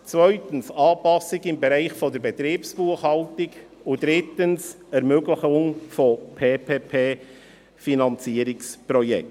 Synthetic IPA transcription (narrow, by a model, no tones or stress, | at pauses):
t͡svœʏtənsɑːpɑsɪɡɪmbɛɾaɪχfɔd̪əɾbɛt̪ɾiːpsb̥uəχhɑltɪɡ | ʊd̥ɾɪtəns | ɛɾmøɡləχʊŋfɔpʰeːpʰeːpʰeː | finɑnt͡siəɾɪkspɾɔjɛ̰k̚t